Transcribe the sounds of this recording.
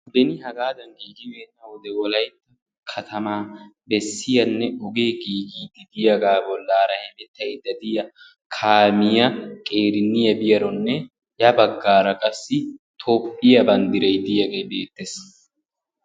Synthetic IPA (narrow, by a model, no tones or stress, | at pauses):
b̪ɛnɪɦɐɡaːd̪ɐŋɡiːɡɪwenːɐwɔd̪ɛwɔlɐjt̪ːɐ | kʰɐt̪ʰɐmaː | bɛsːɪjɐnːɛɔɡeːɡiːɡiːd̪ɪd̪ɪjɐɡaːbɔlːaːɾɐhɛmɛt̪ːɐjd̪ɐd̪ɪjɐ | kʰaːmɪjɐkʼe̞ːɾɪnːɪjɐbɪjɐɾɔnːɛ | jɐbɐɡːaːɾɐkʼɐsːɪt̪ʰoːpʼːɪjɐbɐnd̪ɪɾɛjd̪ɪjɐɡejbeːt̪ːes